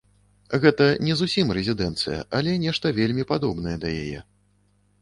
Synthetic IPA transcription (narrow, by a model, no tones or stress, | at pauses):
ɣɛt̪ɐnʲɛzusʲimrɛzʲid̪ɛnt̪sɨjɐ̰ʔalʲɛnʲɛʂt̪ɐvʲelʲmʲipad̪ɔbn̪ɐjɛd̪ɐja̰jɛ̰